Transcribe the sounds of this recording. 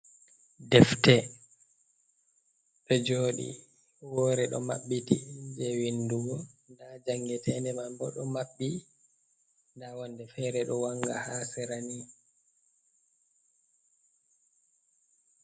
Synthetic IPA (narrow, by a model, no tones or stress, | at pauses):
dɛftɛ | ɗɔd͡ʒoːɗḭ | wɔːɾɛɗɔ̰ma̰ɓːitind͡ʒɛwinduɡɔndad͡ʒaŋɡɛtʰɛndɛmambɔɗɔmaɓːi | ndawandɛfɛːɾɛɗɔwaŋɡa̰hasɛɾani